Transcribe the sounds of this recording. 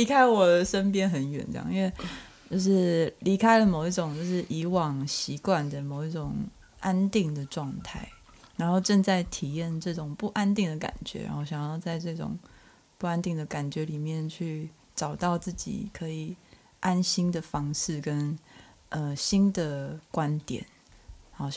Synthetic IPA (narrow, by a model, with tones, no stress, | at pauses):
li˧˥kʰa˥ɪwɔ˨˩də˦ʂə˦npjɛ˥nxə˨˦nɥɛ̰˨˩nʈ͡ʂɑ̰˧˦˧i˥nwe˥˧ɪ | t͡ɕjo˥˧ʊʂɻ̩˥˩li˧˥kʰa˥ɪlə˨mo˨ʊi˥˩ʈ͡ʂʊ˨˩˦ŋt͡ɕjo˥˧ʊʂɻ̩˥˩ʔi˧˥wɑ˨˩ŋɕi˧˥kwa˨˩nd̪ə˩mo˨˩ʊi˥˩ʈ͡ʂʊ˨˩ŋ | ʔa˦˥nt̪i˥˩ŋd̪ə˩ʈ͡ʂwɑ˥˧ŋt̪ʰa˥˩ɪɻa˧˥nxo˥˧ʊʈ͡ʂə˥˧nt͡sa˥˩ɪt̪ʰi˨˩jɛ˥˧nʈ͡ʂɤ˥˩ʈ͡ʂʊ˨˩ŋpu˥˩ʔa˦nt̪i˥˩ŋd̪ə˩ka̰˨˩nt͡ɕɥɛ̰˦ɻa̰˧˥nxo˥˧˩ɕjɑ˨ŋjɑ˥˧ʊt͡sa˥˧ɪʈ͡ʂɤ˥˩ʈ͡ʂʊ̰˨˩ŋ | pu˥˩a˦˥nt̪i˥˩ŋd̪ə˩ka˨˩nt͡ɕɥɛ˧˥li˨˩mjɛ˥˨nt͡ɕʰy˥˩ | ʈ͡ʂɑ˨˩ʊt̪ɑ˥˧ʊt͡sɹ̩˥˩t͡ɕḭ˨˩kʰɤ˧˦i˨˩ | ʔa˦nɕi˥nd̪ə˨fɑ˥ŋʂɻ̩˥˩kə˦n | ʔə˧ɕi˥nd̪ə˨kwa˦nt̪jɛ̰˨˩˦n˥˦